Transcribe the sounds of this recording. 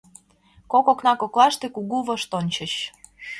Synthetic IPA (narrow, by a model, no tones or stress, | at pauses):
kokoknɑkoklɑʃt̪ekuɣuβɤ̆ʃt̪onʲt͡ɕə̆ɕ